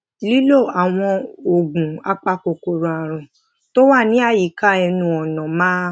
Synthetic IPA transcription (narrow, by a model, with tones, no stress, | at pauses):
li˦lo˦˨a˨w̃ɔ̃˧o˨ɡũ˨a˧k͡pa˧ko˨ko˧ɾũ˨a˨ɾ̃ũ˨ | to˦wa˦˨nĩ˨˦a˦˨ji˨˦ka˦˨ɛ˧nũ˧ɔ˨nã˨mãː˦